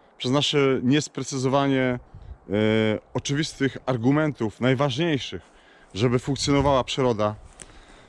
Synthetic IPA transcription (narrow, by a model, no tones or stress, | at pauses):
pʂɛznaʂɛɲɛspɾɛt̪sɘzɔvaɲɛ | ɔt͡ʂɘvʲist̪ɘxaɾɡumɛnt̪ufnajvaʐɲejʂɘx | ʐɛbɘfuŋkt̪sʲjɔnɔvawapʂɘɾɔd̪a